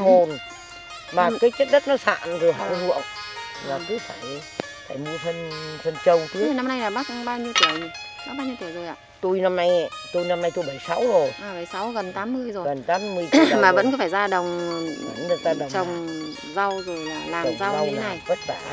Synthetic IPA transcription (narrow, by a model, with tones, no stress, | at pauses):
mo˨˩n | maː˨˩kaː˨˦jt͡ɕə˦˥t̚ɗə˦˥t̚nɔ˨˦sa̰ː˧˨nzo˨˩jɦa˧˩wzṵ˧˨əŋlaː˨˩kɨ˧˦faː˧˩j | faː˧˩jɲɨ˧t̪ʰə˧nt̪ʰə˧nt͡ɕə˧wt̪ʰɨ˦˨˩na˧mna˧jnaː˨˩ɓaː˦˥k̚kɓaː˧wɲi˧wt̪i˧˩əwɲ˨˩ | ɓa˦˥ɓaː˧wɲi˧wt̪i˧˩əzo˨˩jʔa̰ː˧˨t̪o˧jna˧mna˧jt̪o˧jna˧mna˧jt̪o˧jɓə˧˩jsa˨˦wzo˨˩jʔaː˨˩ɓə˧˩jsa˨˦wɣə˨˩nt̪aː˨˦mːɨ˧əjzo˨˩ɣə˨˩nt̪aː˨˦mːɨ˧əjmaː˨˩və̰˧˥nkːfaː˧˩jzaː˧ɗə˨˩wŋ͡m | nɨ˨˩t̪aː˧laː˨˩t͡ɕə˨˩wŋ͡m | za˧wzo˨˩jlaː˨˩laː˨˩˨m˩za˧wna˨˩jɓə˦˥t̚zaː˧˩